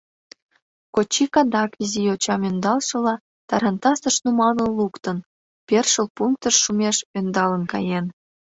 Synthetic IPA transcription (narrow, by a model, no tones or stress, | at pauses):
kot͡ɕːikɑd̪ɑkiziot͡ɕɑmønd̪ɑlʃɤ̆lɑ | t̪ɑɾɑnt̪ɑsəʃnumɑlənlukt̪ən | pʲerʃəlpuŋk̚t̪əʃːumʲeʃønd̪ɑlənkɑjen